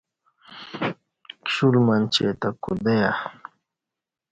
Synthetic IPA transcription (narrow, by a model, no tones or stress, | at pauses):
kɕulmant͡ɕḛt̪akṵd̪eja